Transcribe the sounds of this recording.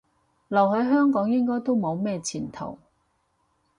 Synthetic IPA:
lɐ˨˩whɵ˨˥jɦœː˥ŋkɔː˨˥ŋjɪ˥ŋkɔː˥jt̪o˥wmo˨˧wmɛː˥t͡sʰiː˨˩nt̪ʰo̰˨˩w

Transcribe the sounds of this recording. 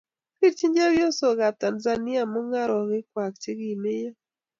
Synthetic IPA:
pi˦ɾt͡ʃi˦ɲd͡ʒa˦wjo˦so˨ɡa˨ta˨nza˦nɪ˦a˨mɔ˦ŋa˦ɾɔ˨ɡɪ˦kwa˨k̚t͡ʃe˦ɡi˨me˦ja˦

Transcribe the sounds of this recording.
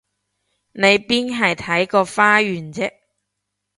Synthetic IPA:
ne˨˧jpiː˥nɦɐ˨jt̪ʰɐ˨˥jkɔː˧faː˥ɥyː˨˩nt͡sɛ˥k̚

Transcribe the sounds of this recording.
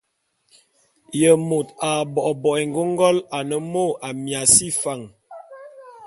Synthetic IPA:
jə˨mo˨ta˨bɔ˨ʔbɔ˨ɛ˨ŋ˨ɡo˦ŋ˦ɡɔ˦la˨nə˦mo˦˨a˨mja˨si˦fa˨ŋ

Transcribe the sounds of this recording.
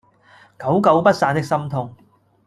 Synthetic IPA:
kɐ˨˥wkɐ˨˥wpɐ˥t̚saː˨˩nt̪ɪ˥k̚sɐ˥mt̪ʰʊ˧ŋ

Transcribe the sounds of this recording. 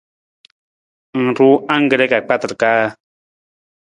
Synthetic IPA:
ŋ̩˨ɾu˦a˦ŋ˦ɡə˨ɾɛ˦ka˨k͡pa˦tə˨ɾkaː˦

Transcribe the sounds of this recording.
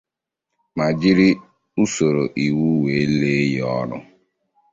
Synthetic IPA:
ma˨d͡ʒi˦ɾi˦ | u˦so˨ɾo˨ʔi˨wu˦we˨˦leː˦jɔ˦nʊ̰˦

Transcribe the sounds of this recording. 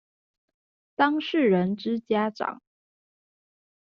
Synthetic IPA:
t̪ɑ˥ŋʂɻ̩˥˩ɻə˧˦˥nʈ͡ʂɻ̩˥t͡ɕja˥ʈ͡ʂɑ̰˨˩˦ŋ

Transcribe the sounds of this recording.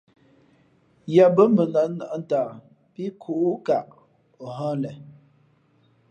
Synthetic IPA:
ja˨bə˦mə˨nə˨˦nə˨ʔn̩˦taː˨ | pi˦kʰu˨ʔu˦ka˨ʔ | o˨ɦə̃˦lɛ˨

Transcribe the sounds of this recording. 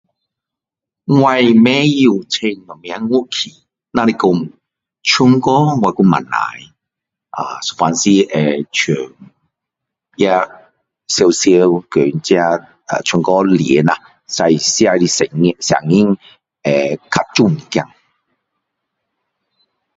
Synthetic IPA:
wa˧jmɛ˧˦ji˧wt͡sʰe˧ŋnɔ˨mi˧˨a˦˧˦ŋu˦˥kʰi˨˩ | na˧ɾi˧kʊ˧m | t͡ʃʰu˧ŋkɔ˦wʷa˧˩ku˧ma̰˨na̰˨˦j | ʔa̰˨˩so˨fa˨˧nsi˧ʔɛ˨t͡ʃʰø˨˩ŋ | ja˧ | se˧wse˧wkø˨˩nt͡sja˧ | a̰˨t͡ʃʰu˧ŋkɔ˦li˨˦na˧ | sa˧jsi˧a˧li˧sɛ˨ŋ˧sa̰˨˩ŋi˦˥˦ŋ | ɛ˨˩kʰa˧t̚t͡ʃu˥˩mi˨kja˧ŋ

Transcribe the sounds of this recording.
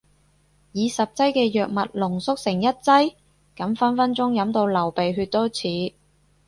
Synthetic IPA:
jiː˨˧sɐ˨p̚t͡sɐ˥jkɛː˧jœː˨k̚mɐ˨t̚lʊ˨˩ŋsʊ˥k̚sɪ˨˩ŋjɐ˥t̚t͡sɐ˥j | kɐ˨˥mfɐ˥nfɐ˥nt͡sʊ˥ŋjɐ˨˥mt̪o˧wlɐ˨˩wpe˨jɦyː˧t̚t̪ɔː˥t͡sʰiː˨˥

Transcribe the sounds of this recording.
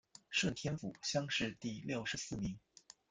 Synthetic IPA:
ʂwə˥˩nt̪ʰjɛ˥nfṵ˨˩˦ɕjɑ˥ŋʂɻ̩˥˧t̪i˥˧ljo˥˩ʊʂɻ̩˧˥sɹ̩˥˩mi˧˥ŋ

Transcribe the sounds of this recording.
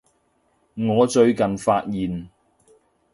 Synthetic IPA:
ŋɔː˨˧t͡ʃɵ˧ɥkɐ˨nfaː˧t̚jiː˨n

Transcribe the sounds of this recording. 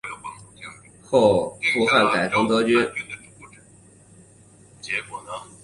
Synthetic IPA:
xo˥˧ʊfu˥˧xa˥˩nka˨˩ɪʈ͡ʂɤ˧˥ŋt̪ɤ˥t͡ɕy˥˩

